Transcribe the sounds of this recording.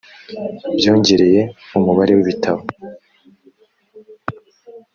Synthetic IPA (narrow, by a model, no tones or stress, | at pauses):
bjo̞ːɲɟe̞ɾe̞je̞umuβaɾewiβitʰaβo